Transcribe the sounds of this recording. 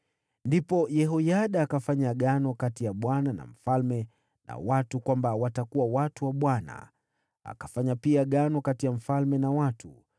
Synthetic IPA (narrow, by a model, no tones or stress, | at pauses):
ndipɔjɛɦɔjaɗaːkafaɲaɠanɔkatijaɓwanana̰m̩falmɛ | na̰watukwambawatakuwawatuwaɓwana̰ | a̰kafaɲapiaɠanɔkatijam̩falmɛnawatu